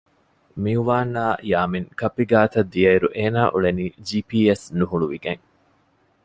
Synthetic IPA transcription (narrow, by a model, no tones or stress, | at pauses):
miuʋaːnːaːjaːmiŋkɐpːiɡaːt̪ɐd̪ːiɐiɾuʔeːnaːʔuɭeniːd͡ʒiːpiːesnuɦuɭuʋiɡeŋ